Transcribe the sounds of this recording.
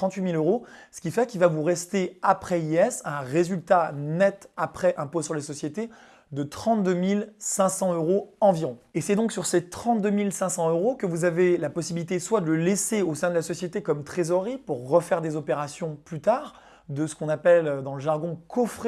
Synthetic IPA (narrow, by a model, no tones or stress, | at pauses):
ɑ̃t̪ɥimiløʁosə̥kʲifɛkʲilvavuʁɛst̪eapχɛiɛsɛ̃ʁezylt̪anɛt̪apχɛʔɛ̃posyʁlasɔsjet̪e | d̪ət̪χɑ̃t̪̚d̪ømilsɛ̃sɑ̃øʁoɑ̃viʁɔ̃esɛd̪ɔ̃ksyʁset̪χɑ̃t̪̚d̪ømilsɛ̃sɑ̃øʁokəvuzavelapɔsibilit̪eswad̪ələleseosɛ̃d̪əlasɔsjet̪ekɔmt̪χezɔʁipuʁːəfɛʁd̪ezɔpeʁasjɔ̃plyt̪aːʁ | d̪əsə̥kɔ̃napɛlød̪ɑ̃ləʒaʁɡɔ̃kʰɔfχe